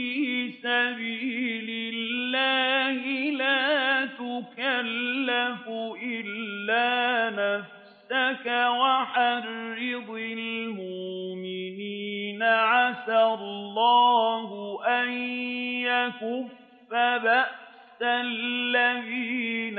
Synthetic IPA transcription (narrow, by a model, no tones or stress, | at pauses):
iːsabiːlɪllːaːhɪlaːt̪ʊkalːafʊʔɪlːaːnaf | sakawaħarːɪd̪ɪlmʊʔʔmɪniːnaʕasallːɑːhʊʔanjakʊfː | abaʔ | sallːaðiːn